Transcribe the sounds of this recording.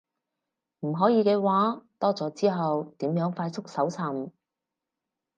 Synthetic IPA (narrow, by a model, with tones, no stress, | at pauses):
m̩˨˩ɦɔː˨˥jiː˨˧kɛː˧waː˨˥t̪ɔː˥t͡sɔː˨˥t͡siː˥ɦɐ˨wt̪iː˨˥mjœː˨˥ŋfaː˧jt͡sʰʊ˥k̚sɐ˨˥wt͡sʰɐ˨˩m